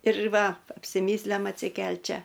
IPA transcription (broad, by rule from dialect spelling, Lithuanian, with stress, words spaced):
ɪr ˈʋɐ ɐpʲsʲɪˈmʲiːsʲlʲɛm ɐtʲsʲɪˈkʲɛlʲtʲ ˈt͡ʃʲɛ